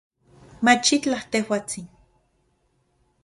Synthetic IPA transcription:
mat͡ʃit͡ɬaht̪ehwaːt͡sin

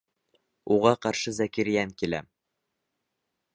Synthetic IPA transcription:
uʁɑqɑɾʃɤzækiɾjæŋkilæ̰m

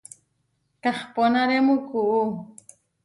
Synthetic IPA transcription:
kɑχponaɾemukuʔu

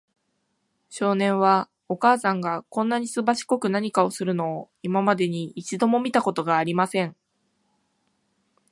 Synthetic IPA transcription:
ɕo̞ːnẽ̞ɰ̃β̞a | o̞kaːsãŋɡakõ̞nːaɲ̟isɨbaɕi̥ko̞kɯ̟naɲ̟ikao̞sɨɾɯ̟no̞ː | imamad̪e̞ɲ̟iːt͡ɕid̪o̞mo̞mʲit̪ako̞t̪o̞ɡaːɾʲimasẽ̞ɴ

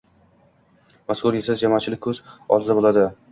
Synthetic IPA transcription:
maskʊɾjesazd͡ʒamɒːt͡ʃʰɪlɪk̚ʲkʰɵzɒ̰ld̪abolˠad̪ɪ

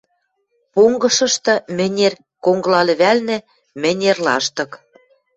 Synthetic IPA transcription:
poŋɡɤ̆ʃɤ̆ʃt̪ɤ̆mɘ̆nʲer | koŋɡlɑlɘ̆βælnĕ | mɘ̆nʲerlɑ̰ʃt̪ɤ̆k

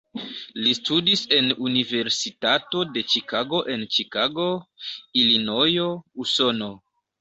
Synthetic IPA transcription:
listudise̞nunive̞ɾsitato̞de̞t͡ʃikaɡo̞ʔe̞nt͡ʃikaɡo̞ilino̞jo̞uso̞no̞

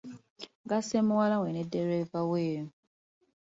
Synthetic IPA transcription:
ɡasemuwalawenedeɾevaweːɾu

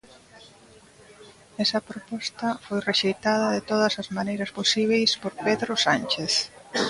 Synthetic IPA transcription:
ɛsɐpɾopɔst̪ɐfojreʃejt̪að̞ɐðet̪oðɐsɐzmanejɾɐsposiβ̞ejspoɾpeðɾosant͡ʃeθ

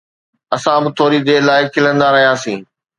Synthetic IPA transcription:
ɐsãbɪt̪ʰoːɾid̪eːlaːɪkʰːɪlə̃nd̪aɾɐɦijãːsĩː

